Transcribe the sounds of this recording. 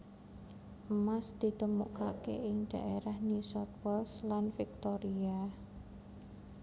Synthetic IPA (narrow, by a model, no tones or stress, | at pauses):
ʔəmasd̪̥i̤t̪əmuʔka̰keɪŋɖ̥a̤ʔeɾahnisɔt̪̚wɛlslanfik̚t̪ɔɾia